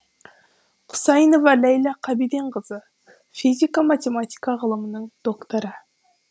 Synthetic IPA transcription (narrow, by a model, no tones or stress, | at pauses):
qʰʊ̥sɑjnovɑlæjlˠɑqʰɑbid̪e̞ɴqəzə | fizʲikamat̪ʲe̞mat̪ʲi̥kɑʁəlˠəmənəɴd̪̥o̞kt̪oɾə